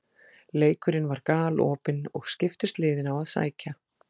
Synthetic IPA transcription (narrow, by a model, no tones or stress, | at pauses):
leːjkʏɾɪnvaɾkaːlɔːpɪnɔɣscɪft̪ʏst̪lɪːðɪnawaðsa̰ːjca